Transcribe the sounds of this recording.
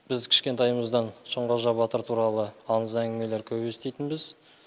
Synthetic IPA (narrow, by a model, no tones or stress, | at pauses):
b̥ɪzkʲʰɪ̥ʃkʲe̞nt̪ɑjməzd̪ɑnʃoɴʁəʒɑbɑt̪əɾt̪ʰuɾɑlˠəɑnəzæŋɡʲɪme̞leɾkʲʰɵbwe̞st̪e̞jt̪ɪnbɪz